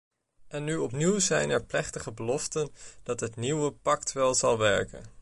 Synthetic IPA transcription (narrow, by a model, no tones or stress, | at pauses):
ʔɛnːyɔpniwzɛjnɛɹplɛχtəχəbəlɔftənd̥ɑtɦətniwəpɑktʋɛlˠzɑlˠʋɛɹkə̰n